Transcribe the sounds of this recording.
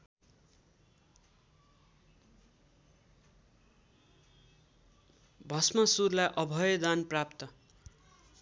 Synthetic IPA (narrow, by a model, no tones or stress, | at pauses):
bʱʌsmʌsurlajʔʌbʱʌjʌd̪anprapt̪ʌ